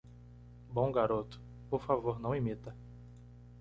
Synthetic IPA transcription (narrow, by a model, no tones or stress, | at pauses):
bõw̃ɡaɾot̪ʊ̥ | poɾfavoɾnɐ̃w̃imit̪ɐ